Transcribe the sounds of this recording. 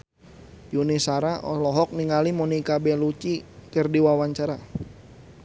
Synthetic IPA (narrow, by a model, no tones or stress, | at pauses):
junisaɾaʔɔlɔɦɔk̚niŋalimɔnikabɛlut͡ʃikərdiwawaɲt͡ʃaɾa